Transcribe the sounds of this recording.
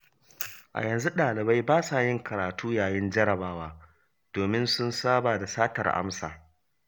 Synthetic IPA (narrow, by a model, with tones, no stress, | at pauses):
ʔa̰˨jɐ˨nzu˦ɗaː˨lɪ˨ba˦jbaː˦saː˨jɪ˦ŋkʰɐ˨ɾaː˨tʰuː˦jaː˨jɪ˦nd͡ʒɐ˦ɾɐ˨baː˦waː˦ | d̥oː˨mɪ˦nsʊ˦nsaː˦baː˨da˨saː˦tɐ˨rʔa̰˦msa̰ː˨